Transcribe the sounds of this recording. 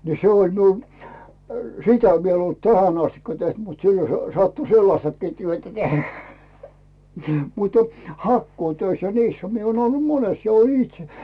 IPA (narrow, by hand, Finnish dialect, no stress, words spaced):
ni se olʲ miul sitæ ʋiel en olt tæhæn ɑstikːɑ teht mut silːo se̥ sɑtːu selːɑstɑkːiː tyøtæ tehæ̥ mutə hɑkːuːtøis jɑ niːshæ mie oːn olːu mones jɑ olʲin itse